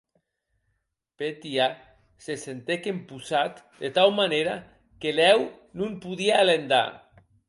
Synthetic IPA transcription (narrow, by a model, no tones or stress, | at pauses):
pet̪ia | sesent̪ekempusat̪ | d̪et̪awmaneɾa | kelɛw | nũmpuðiaːlend̪a̰